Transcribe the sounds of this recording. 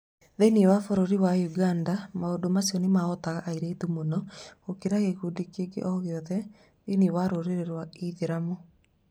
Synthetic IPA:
ðeniwafoɾoɾiwajuɡandamaodomasiɔnemaɔtaɣaʔaiɾeitumonɔɣokeɾaɣeɣudikeɡḛʔɔɣeɔðɛ | ðeniwaɾoɾeɾeɾwaiðeɾamo

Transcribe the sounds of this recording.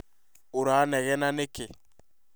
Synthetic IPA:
uɾaːnɛɣɛnaneke

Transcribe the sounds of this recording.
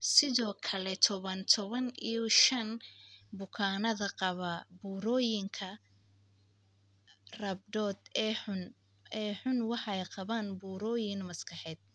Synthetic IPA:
sɪðɔːkʰɐlɛt̪ʰɔβɐnt̪ʰɔβɐnʔijɔʃɐnbʊkʰaːnɐðɐqɑβɐbuːɾɔːjɪŋkʰɐ | rɐb̚dɔːd̪ɛʊn | ɛːħʊnwɑħɑɛjqɑβaːnbuːɾɔːjɪŋmɐskʰɑħɛːd̪̥̚

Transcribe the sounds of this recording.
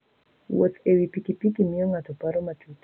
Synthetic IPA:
wo̰t̪ewipikipikimijɔŋatɔpaɾɔmatʰut

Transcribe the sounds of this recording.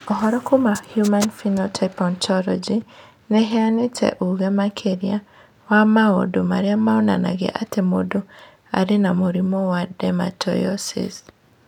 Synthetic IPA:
ɔɦɔɾɔkomahjumanfinɔtʰapɔntʰɔlɔ̰d͡ʒi | nɛɦeanetʰɛ̰ʔuɣɛmakʰeɾja | wamao̰domaɾeamaɔna̰na̰ɡḛʔatemodo | a̰ɾenamoɾimɔwadɛma̰tʰɔ̰jɔsḭs

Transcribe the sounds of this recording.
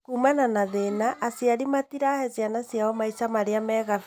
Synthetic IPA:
kuːmananaðenaʔːsjaɾimatiɾahɛzianasjaɔmaisamaɾeamɛɣa

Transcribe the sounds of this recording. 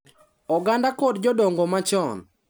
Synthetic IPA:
ɔɡandakɔdd͡ʒɔdɔŋɡɔmat͡ʃɔn

